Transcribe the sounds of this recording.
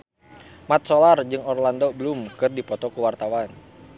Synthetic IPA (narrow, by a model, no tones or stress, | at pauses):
mat̪̚sɔlard͡ʒɨŋɔrlandɔbəlumkɨrdipɔt̪ɔkuwart̪awan